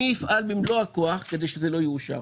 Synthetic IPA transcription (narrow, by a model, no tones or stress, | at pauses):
iifʔalbimloako̞aχked̪e̞jʃezelo̞juːʃa̰